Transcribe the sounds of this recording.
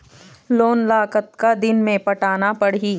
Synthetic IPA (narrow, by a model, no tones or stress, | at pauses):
loːnlaːkət̪̚kad̪ɪnmẽpɐʈaːnapɐɽiː